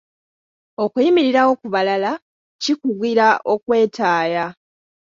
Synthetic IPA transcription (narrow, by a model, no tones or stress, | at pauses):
o̞kujimiɾiɾawo̞kuβalala | cikuɡiɾaʔo̞kwe̞ːtʰaːja